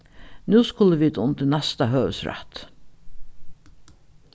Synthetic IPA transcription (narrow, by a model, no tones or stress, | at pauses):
nʉːskʊləʋiːd̪ʊnt̪ɪnæst̪əɦøːʋə̰sɾɛ̰t̪